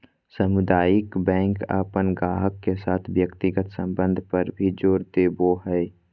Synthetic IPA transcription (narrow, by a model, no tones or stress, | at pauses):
səmʊd̪aːjɪkbɛ̃ːŋka̰ːpənɡaːɦəkːesaːt̪ʰʋjəkt̪ɪɡət̪sə̃mbə̃nd̪ʱpəɾbʱid͡ʒoːɾd̪eːboɦɛː